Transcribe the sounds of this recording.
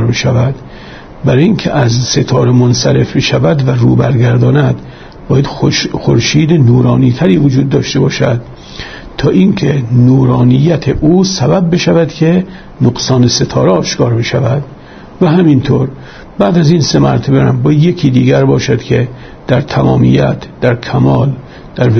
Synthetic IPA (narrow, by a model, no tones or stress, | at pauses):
ɾbeʃævæd̪ | bæɾːjinkʲʰḛʔæzse̞t̪ʰɒːɾemonsæɾe̞fbeʃævæd̪værṵːbæɾɡæɾd̪ɒːnæd̪ | bɒːjæd̪̥xoɾʃiːd̪enuːɾɒːniːt̪ʰæɾiːvod͡ʒuːd̪̚ːɒːʃt̪e̞bɒːʃæ̰d̪̥ | t̪ʰɒːʔiŋkʰenuːɾɒːnijːæt̪ʰeʔuːsæbæb̚ːe̞ʃævæd̪kʰe̞ | noɡsɒːnese̞t̪ʰɒːɾeɒːʃkʰɒːɾbe̞ʃævæd̪ | væɦæmint̪ʰoːɾ | bæːd̪æziːnsemæ̰ɾt̪ʰebemæmbɒːje̞kʰiːd̪iːɡæɾbɒːʃæd̪̥kʰe | d̪̥æɾt̪ʰæmɒːmḭjæt̪ʰd̪̥æɾkʰæmɒːl | d̪̥æɾ